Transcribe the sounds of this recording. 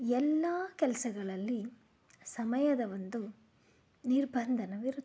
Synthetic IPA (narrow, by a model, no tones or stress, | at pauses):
ɛlːaːkɛlɐsɐɡɐɭɐlːi | sɐmɐjɐd̪ɐʋond̪u | niɾbʱɐnd̪ʱɐnɐʋiɾu